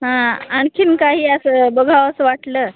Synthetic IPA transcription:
ɦãaɳkʰiːnkaɦiːəsəbəɡʱaʋəsʋaʈləː

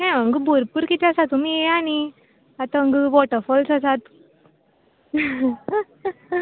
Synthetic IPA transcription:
ɦɛ̃əŋɡbʱuɾpuːɾkit̪ɛasat̪umieani | at̪ãəŋɡʋɔʈəɾfɔlsasat̪

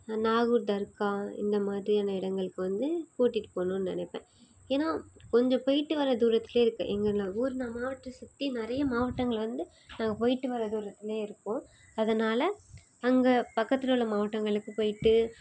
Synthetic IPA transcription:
naːɣuːɾd̪ɐɾkːaːɪ̰nd̪ɐmaːd̪ɾiɐnɐɪɽɐŋɡɐɭɯkːɯʋɐnd̪ɯkuːʈːɪʈːɯ̥poːnũːnnɐ̰nɛpːḛ̃ː | eːnaːkɔɲd͡ʒɔ̃pɔjɪʈːɯʋɐɾɐd̪uːɾɐt̪ːɪleːɪɾɯkːɯ̰ʔɛŋɡɐɾnaːuːɾɯnaːmaːʋɐʈːɐsʊt̪ːinɪɾɐjɐmaːʋɐʈːɐŋɡɐɭʋɐnd̪ɯ | nãːŋɡɐpɔjɪʈːɯʋɐɾɐd̪uːɾɐt̪ːɪleːɪɾɯkːõː | ɐðɐnaːlɐ | ɐŋɡɐpɐkːɐt̪ːɪlʊɭːɐmaːʋɐʈːɐŋɡɐɭɯkːɯpoːjɪʈːɯ

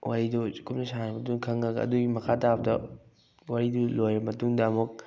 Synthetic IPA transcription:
wʔaɾidokumnɐsanɾɐmɐt̬uŋkʰɐŋɐɡɐɐ̰duɡimɐkʰatabɐdɐ̰ | waɾidulojɾɐmɐtuŋdɐːmuk̚

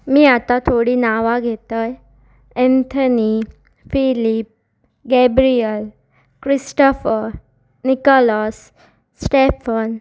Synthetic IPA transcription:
miːat̪at̪ʰoɽiːnaʋaɡʱet̪əj | ɛ̃nt̪ʰəni | filip̚ | ɡɛbɾiəl | kɾisʈɔfəɾ | nikɔlɔsː | ʈefən

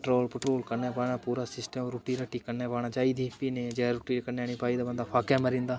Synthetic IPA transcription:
ʈɾoːlpəʈɾoːlkəɾneːpaːɳaːpuːɾaːsɪsʈəmɾoːʈiːɾəʈːiːkəɾnẽːpaːɽ̃aːd͡ʒaːiːd̪iːpiːneːd͡ʒeɾuːʈiːkəɾneaːniːpaːiːd̪aːbənd̪aːpʰaːkaːməɾĩːnd̪aː

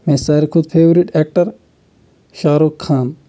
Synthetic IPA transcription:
mẽːsaːɾikʰʊd̪̚pʰeːʋɾiʈeːk̚ʈɐɾ | ʃaːɾoːkʰːaːn

